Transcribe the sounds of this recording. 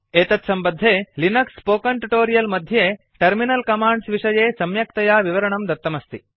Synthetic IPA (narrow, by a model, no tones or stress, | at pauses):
eːt̪ɐt̪sɐmbɐd̪ʱːeːlinɐkspoːkɐɳʈuʈoːɾijɐlmɐd̪ʱjeː | ʈɐɾminɐlkɐmaːɳɖsʋiʂɐjeːsɐmjɐk̚t̪ɐjaːʋiʋɐɾɐɳɐmd̪ɐɾt̪ːɐmɐst̪i